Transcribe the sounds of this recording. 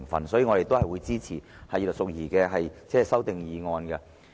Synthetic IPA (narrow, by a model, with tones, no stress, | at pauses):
ŋfɐ̰˨˩nsɔː˨˥jiː˧ŋɔ˧te˨jt̪o˥whɐ˨jwuː˨˧jt͡siː˥t͡sʰiː˨˩hɐ˨jiː˨lksʊ˨˧k̚jiː˨˩kɛː˧ɦɐ˨jt͡sɛː˥ɛ˨sɐ˥wt̪ɪ˨ŋjiː˨˧ŋɔː˧nkɛ˧